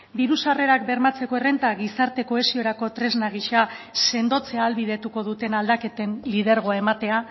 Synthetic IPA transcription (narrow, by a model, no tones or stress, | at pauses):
d̪iɾusare̞ɾak̚be̞ɾmat͡se̞ko̞ere̞nt̪aɣisaɾt̪e̞ko̞e̞sio̞ɾako̞t̪ɾe̞znaɣ̞iʃase̞nd̪o̞t͡se̞aːlβið̞e̞t̪uko̞ð̞ut̪e̞nald̪ake̞t̪e̞nlið̞e̞ɾɣ̞o̞ae̞mat̪e̞a